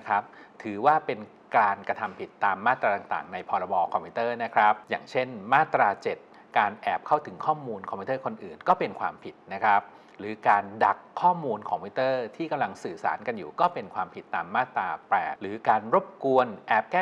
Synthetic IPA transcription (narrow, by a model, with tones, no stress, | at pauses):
kʰa˦˥p̚t̪ʰɯː˩˦waː˥˩pe˧n | kaː˧nkɾa˧t̪ʰa˧mpʰi˨˩t̪ːaː˧mːaː˥˩t̪ːɾaː˧t̪a˨˩ŋt̪a̰ː˨˩ŋna˧jpʰɔː˧ɾa˧bɔː˧kʰɔ˧mpʰi˦˧˥t̪ɤː˥˩na˦˥kʰɾa˦˥p̚ja̰ː˨˩ŋt͡ɕʰe˥˩nmaː˥˩t̪ɾaː˧t͡ɕe˨˩t̪̚ | kaː˧nʔɛː˨˩p̚kʰa˥˩wt̪ʰɯ˩˦ŋkʰɔː˥˩muː˧nkʰɔ˧mpʰiː˦˥t̪ɤː˥˩kʰo˧nʔɯ̰ː˨˩nkɔː˥˩pe˧nkʰwaː˧mpʰi˨˩t̪̚na˦˥kʰɾa˦˥p̚ | ɾɯː˩˦kaː˧nda˨˩kʰːɔː˥˩muː˧nkʰɔ˧˨˧mpʰi˦˥t̪ɤː˥˩t̪ʰiː˥˩ka˧mla˧ŋsɯː˨˩sa̰ː˩˦nka˧njṵː˨˩kɔː˥˩pe˧nkʰwaː˧mpʰi˨˩t̪ːaː˧mːaː˥˩t̪ɾaː˧pɾɛ̰ː˨˩ɾɯː˩˦kaː˧nɾo˦˥p̚ku˧ənʔɛː˨˩p̚kɛː˥˩